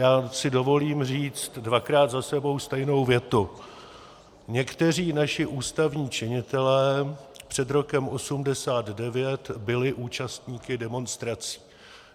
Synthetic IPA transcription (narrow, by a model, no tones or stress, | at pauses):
jaːsɪdo̞vo̞liːmriːt͡st̪dvakɾaːd̪zasɛbo̞wst̪ɛjno̞wvjɛt̪u | ɲɛkt̪ɛr̝iːnaʃɪʔuːst̪avɲiːt͡ʃɪɲɪt̪ɛlɛːpr̥ɛd̪ɾo̞kɛmʔo̞sumdɛsaːd̪dɛvjɛt̪bɪlɪʔuːt͡ʃast̪ɲiːkɪdɛmo̞nst̪ɾat͡si̥ː